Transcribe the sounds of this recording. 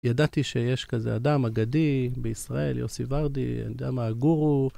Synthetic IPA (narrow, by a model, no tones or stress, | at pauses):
jadat̪iʃejeʃkazḛadamaɡadibeisʁae̞ljo̰sivaʁdḭa̰nid̪amaɡuʁu